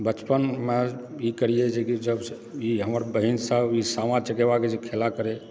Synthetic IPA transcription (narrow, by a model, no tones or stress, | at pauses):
bət͡ʃpənmeikəɾijed͡ʒekid͡ʒəbs | iɦəməɾbəɦinsəbisamãt͡ʃəkeβaked͡ʒekʰelakəɾe